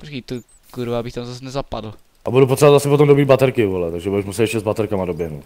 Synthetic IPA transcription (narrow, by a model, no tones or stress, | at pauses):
ʃkit̪u | kuɾovabɪxt̪amzasɛnɛzapadl̩ˠ | ʔabudupot̪sɛovat̪ʔasɪpot̪omdobɾiːbat̪ɛɾkɪvolɛt̪t̪ːaɡʒɛbudɛʃmusɛt̪jɛʃcɛzbat̪ɛɾkamadobjɛɦnowt̪